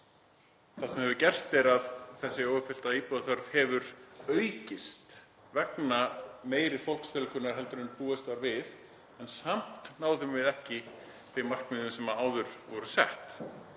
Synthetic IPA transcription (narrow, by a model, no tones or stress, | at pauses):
θḁsɛmhɛvʏcɛr̥st̪ɛɾaðθɛsːɪoːwʏfɪl̥t̪aiːpɔðθœɾv̥hɛvʏɾœɥcɪst̪ | vɛknameːjɾɪ̥fol̥ksfɛlkʰʏnaɾ̥ɦɛlt̪ʏɾʏnpuːɛst̪aɾvɪð | ɛnsam̥t̪naːwðʏmvɪðɛhcɪ | vɪmar̥kmɪðʏmsɛmaaːwðʏɾ̥vɔɾʏsɛ̰ht̪